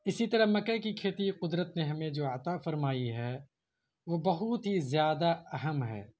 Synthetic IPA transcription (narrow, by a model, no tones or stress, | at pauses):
ɪsit̪ɐɾəɦmɐkːəkikʰeːt̪iqʊd̪ɾət̪neɦɐmẽd͡ʒoːɐt̪afɐɾmaːiɦɛː | ʋobɐɦʊt̪ɦizjaːd̪aɐɦəmɦɛ̰ː